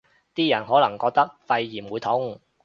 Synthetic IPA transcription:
t̪iː˥jɐ˨˩nɦɔː˨˥lɐ˨˩ŋkɔː˧k̚t̪ɐ˥k̚fɐ˧jːiː˨˩mwuː˨˧jt̪ʰʊ˨˥ŋ

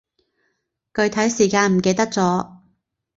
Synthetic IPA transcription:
kɵ˨˧ɥt̪ʰɐ˨˥jsiː˨˩kaː˧nm̩˨˩ke˧jt̪ɐ˥k̚t͡sɔː˨˥

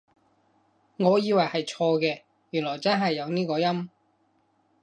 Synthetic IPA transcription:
ŋɔː˨˧jiː˨˧wɐ˨˩jhɐ˨jt͡ʃʰɔː˧kɛː˧ | jyː˨˩nlɔː˨˩jt͡sɐ˥nɦɐ˨jːɐ˨˧wniː˥kɔː˧jɐ˥m

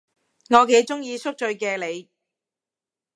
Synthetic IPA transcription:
ŋɔː˨˧ke˨˧˥jt͡sʊ˥ŋjiː˧sʊ˥k̚t͡ʃɵ˧ɥkɛː˧le˨˧j

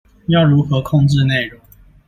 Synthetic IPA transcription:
jɑ˥˩ʊɻu˨˦xɤ˨˦kʰɔ˥˧ŋʈ͡ʂɻ̩˥˧ne˥˩ɪɻo˨˧˦ŋ˦ŋ

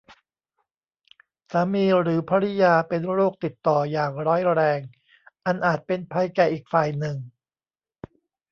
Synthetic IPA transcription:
saː˩˦miː˧ɾɯː˩˦pʰaː˧ɾi˦˥jaː˧pe˧nɾoː˥˩k̚t̪i˨˩t̪ːɔː˨˩jaː˨˩ŋɾɔː˦˥jɾɛː˧ŋ | ʔa˧nʔaː˨˩t̪̚pe˧npʰa˧jkɛː˨˩ʔiː˨˩k̚faː˨˩jnɯ˨˩ŋ

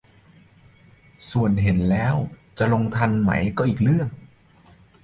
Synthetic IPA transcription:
su˨˩ənɦe˩˦nlɛː˦˥wt͡ɕa˨˩lo˧ŋt̪ʰa˧nma̰˦˥jkɔː˧˩ʔiː˨˩k̚lɯ˥˩əŋ

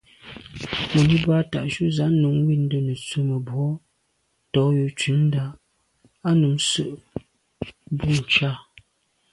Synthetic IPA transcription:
mo˨ni˦ba˦ta˨ʔʃu˦za˨˦ʔnu˨˦ŋ˦wi˦˨n̩˦də˦nə˨t͡su˦mə˨bwɔ˦ | tɔ˨˦ju˨t͡ʃi˨˦n̩˦da˦ | a˦nu˨˦msə˦˨ʔ | bu˦˨n̩˨t͡ʃa˦˨

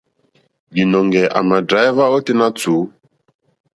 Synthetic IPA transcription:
d͡ʒi˨nɔ˨ŋɡɛ˨ʔa̰˨ma˨dɾa˨˦i˦va˦ɔ˦ti˦na˦t͡su˨˦

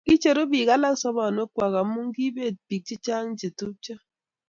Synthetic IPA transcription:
i˦t͡ʃe˨ɾo˦bi˨ɣa˦la˦n̩˦sɔ˦bɔ˨no˦kʷa˨ɣa˨m̩˦mu˦ŋ̩˦ɡi˦be˦˨t̚pi˨k̚t͡ʃi˦t͡ʃa˦ŋ̩˦d͡ʒe˨tu˦t͡ʃa˦

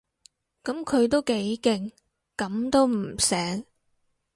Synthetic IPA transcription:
kɐ˨˥mkʰɵ˨˧ɥt̪o˥wke˨˥jkɪ˨˧ŋ | kɐ˨˥mt̪o˥wm̩˨˩sɛː˨˥ŋ

